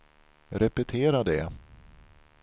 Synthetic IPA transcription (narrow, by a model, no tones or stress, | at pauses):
ɾɛpɛt̪ʰeːɾad̪ɛ